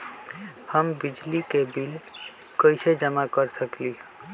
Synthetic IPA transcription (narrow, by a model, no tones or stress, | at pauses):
həmbid͡ʒlikebil | kəɪsed͡ʒəmakəɾsəkli